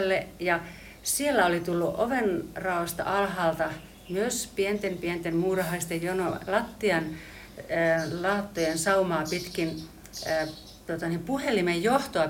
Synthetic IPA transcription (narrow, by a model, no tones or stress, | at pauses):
lːejɑ | sielːæolit̪ulːuʔoʋenrɑoɑst̪ɑ̰ʔɑlhɑːlt̪ɑ | myøspient̪empient̪emmuːrɑhɑist̪ejjonolɑt̪ːiɑnː | lɑːt̪ːojensɑumɑːpit̪kinː | t̪uot̪ɑnimpuhelimejjoht̪oɑ